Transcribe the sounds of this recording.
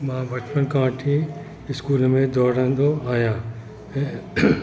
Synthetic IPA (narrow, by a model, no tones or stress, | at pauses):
mãːbʱɐt͡ʃpənkãːʈʰi | ɪskuːlmẽd̪ɔːɾãnd̪oaːjãː